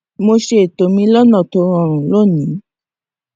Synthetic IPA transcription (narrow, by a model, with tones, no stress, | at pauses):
mo˧ʃe˧˨to˨mĩ˧˦lɔ˦nɔ̃˨to˨˦ɾ̃ɔ̃˦˨ɾ̃ũ˨lo˦˨nĩ˨˦